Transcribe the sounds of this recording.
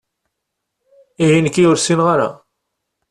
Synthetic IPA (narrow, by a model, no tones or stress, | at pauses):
iɦinəkːiʊɾsinʁaɾa̰